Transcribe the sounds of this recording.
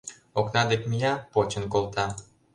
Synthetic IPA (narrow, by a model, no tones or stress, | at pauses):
oknɑd̪ekmijɑpot͡ɕə̆nkolˠt̪ɑ